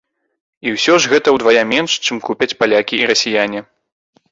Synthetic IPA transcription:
iwsʲɔʐɣɛt̪ɐwd̪vajamʲɛnʂt͡ʂɨmkupʲɐt͡sʲpalʲakʲiiɾɐsʲijanʲi

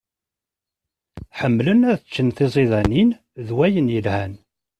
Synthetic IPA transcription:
ħəmːlənæðθət͡ʃːənθezˤeðænin | ðwæjənjəlhæn

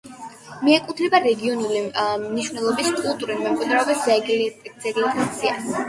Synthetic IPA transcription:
miɛkʼut̪ʰlɛbaɾɛɡiɔnulimniʃvnɛlˠɔbiskʼulˠt̪ʼuɾilmɛmkʼwid̪ɾɛɔbiszzɛɡlɛkɛt̪sʰias

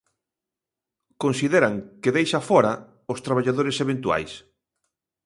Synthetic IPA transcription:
kõnsiðeɾaŋkɪðejʃafɔɾa | ʊst̪ɾaβ̞aʎaðoɾeseβẽnt̪ua̰js

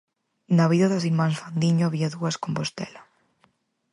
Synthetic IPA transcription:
naβiðɐðɐsiɾmãnsfand̪iɲoaβiaðuɐskompost̪ɛ̰lɐ

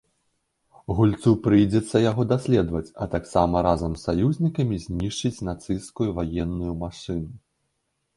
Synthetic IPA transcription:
ɣulʲt̪supɾɨjd͡zʲɛt̪sːɐjaɣɔd̪asʲlʲɛd̪vɐt͡sʲɐt̪aksamɐɾazɐmsːajuzʲnʲikɐmʲizʲnʲiʂt͡ʂɨt͡sʲnat̪sɨjskujuvajɛnːujumaʂɨnu

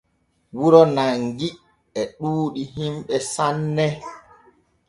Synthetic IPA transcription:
wuɾɔnaŋɡi | ɛɗuːɗiɦimɓɛsanːɛ

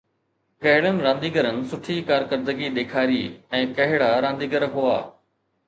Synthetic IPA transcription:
kɐɦɪɽənɪ̆ɾãːnd̪iːɡəɾənɪ̆sʊʈʰikaːɾkəɾd̪əɡiɗ̪eːkʰaːɾiːɛ̃ːkɐɦɪɽaɾãːnd̪iːɡəɾɦua̰ː

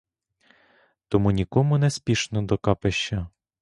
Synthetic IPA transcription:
t̪ɔmunʲikɔmʊnɛspʲiʃnɔd̪ɔkɑpeʃt͡ʃːɐ

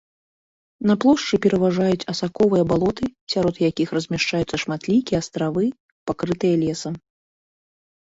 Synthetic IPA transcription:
nɐplˠɔʂt͡ʂɨpʲɛɾɐvaʐajut͡sʲɐsakɔvɨjɐbalˠɔt̪ɨsʲaɾɔt̪jakʲixrɐzʲmʲɛʂt͡ʂajut̪sːɐʂmat̪lʲikʲijɛast̪ɾavɨ | pakɾɨt̪ɨjɐlʲɛsɐm

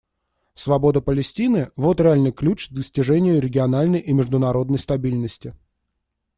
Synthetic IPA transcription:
svɐbo̞d̪əpəlʲɪsʲtʲinɨvo̞t̪ɾʲɪalʲnɨjklʲut͡ɕzd̪əsʲtʲɪʐɛnʲɪjʊɾʲɪɡʲɪɐnalʲnəjʔimʲɪʐd̪ʊnɐɾo̞d̪nəjst̪ɐbʲilʲnəsʲtʲɪ

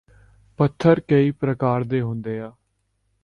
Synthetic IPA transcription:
pət̪ʰːəɾkəiːpɾəkaːɾd̪eːɦʊ̃nd̪eːaː

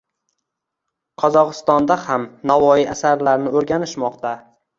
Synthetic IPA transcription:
qʰɒzɒqɨ̥st̪ɒnd̪ahamnavɒjiasaɾlaɾnɪoɾɡʲanɪʃmɒqt̪a

